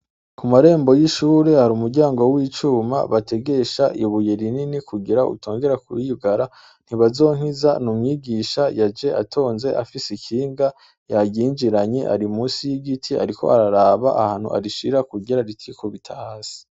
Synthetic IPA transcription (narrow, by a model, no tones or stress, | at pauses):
kumaɾe̞ːmbo̞jiʃuːɾe̞haɾuːmuɾɟaːŋɡo̞wiːt͡ʃuːma̰βate̞ɡe̞ʃaʔiβujeɾininikʰuɡiɾaʔṵtʰo̞ːŋɡe̞ɾakṵɾiɡaɾa | n̥hiβazo̞ːŋ̥hizanumŋiːɡiːʃajad͡ʒe̞ʔatʰo̞ːnze̞ʔafisikiːŋɡa | jaɟiːnd͡ʒiɾaɲeʔa̰ɾimuːsijiɡitʰia̰ɾikʰo̞̰ʔaɾaɾaːβaʔahaːn̥ṵʔa̰ɾiʃiɾakuɡiɾaɾitʰikoβitʰahaːsi̥